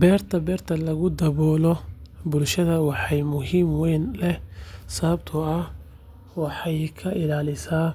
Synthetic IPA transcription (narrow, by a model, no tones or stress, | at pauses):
bɛːrt̪ʰɐbɛːrt̪ʰɐlɐɣʊd̪ɐβɔːlɔbʊlʃɐðɐwɑħɑjmʊɦiːmwɛjnlɛsɐβɐbt̪ʰʊɐh | wɑħɑjkʰɐʔɪlaːlɪsaː